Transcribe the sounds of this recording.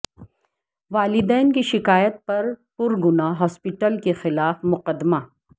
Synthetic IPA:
ʋaːlɪd̪ɛːnkiʃɪkaːjət̪̚pɐɾpʊɾɡʊnaɦɔːspɪʈəlkexɪlaːfmʊqəd̪ːma

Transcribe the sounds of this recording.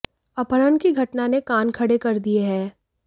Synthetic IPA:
ɐpəɾənkiɡʱɐʈnanekaːnkʰɐɽekɐɾd̪ieɦɛː

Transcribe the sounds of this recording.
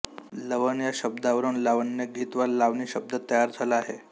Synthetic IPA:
ləʋənjaɕəb̚d̪aʋəɾuːnlaʋənjəɡʱiːt̪ʋaɾlaʋniːɕəb̚d̪ət̪ːəjaɾd͡zʱaləaɦe

